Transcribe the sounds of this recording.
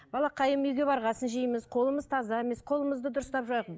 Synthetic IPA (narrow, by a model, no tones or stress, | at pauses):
b̥ɑlˠɑqʰɑjəmʏjɡʲe̞bɑɾʁɑsənʒijəməzqʰo̞lˠəməzt̪ʰɑzɑe̞me̞sqʰo̞lˠəməzd̪əd̪ʊɾəst̪ɑpʒɑjq